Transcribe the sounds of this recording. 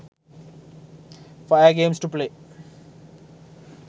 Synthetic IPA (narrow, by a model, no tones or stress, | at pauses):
faaɡẽːmsʈupleː